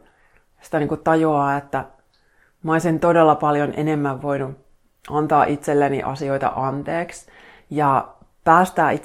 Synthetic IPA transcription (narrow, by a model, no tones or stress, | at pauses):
si̥t̪æniːŋkutt̪ɑjoɑːet̪ːæ | mɑonsint̪odelːɑpɑljonʔḛnemːæʋʋoinu | ʔɑnt̪ɑːʔit̪selːenḭʔɑ̰sio̞it̪ɑ̰ʔɑnt̪eːks | jɑ | pæːst̪æːit̪